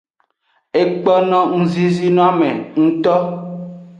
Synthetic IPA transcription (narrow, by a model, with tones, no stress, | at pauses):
e˦k͡pɔ˦nɔ̃˦ŋ̩̃˦zi˦zi˦nũ˦a˦mḛ̃˨ŋũ˦t̪ɔ˦